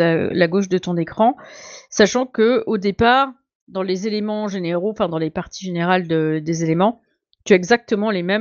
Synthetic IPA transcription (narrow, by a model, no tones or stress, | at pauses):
alaɡoʃd̪ət̪ɔ̃nekχɑ̃saʃɑ̃kəod̪epaːʁ | d̪ɑ̃lezelemɑ̃ʒeneʁoɑ̃fɛ̃d̪ɑ̃lepaʁt̪iʒeneʁald̪əd̪ezelemɑ̃ | t̪yaɛɡzak̚t̪əmɑ̃lemɛ